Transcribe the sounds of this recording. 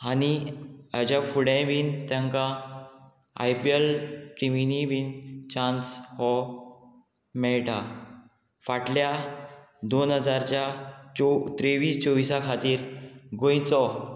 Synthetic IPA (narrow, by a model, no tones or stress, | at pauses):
aniad͡ʑafuɽɛ̃biːnt̪jãŋkã | a̰jpielʈiminibiːnt͡ɕãnshɔ | mɛɭʈa | faʈlja | d̪onɦəd͡zaɾt͡ɕjaɔt̪ɾeʋiːst͡ɕɔʋisakʰat̪iːɾɡõjt͡sɔ